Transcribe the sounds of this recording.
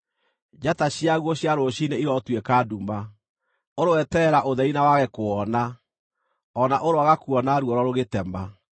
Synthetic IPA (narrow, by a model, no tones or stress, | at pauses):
d͡ʑataɕiaɣwɔɕjaɾoɕineiɾɔtwekaduma | oɾowɛtɛɾaʔoðɛinawaɣɛkoɔna | ɔnaʔoɾoaɣakuɔnaɾwɔɾɔɾoɣetɛma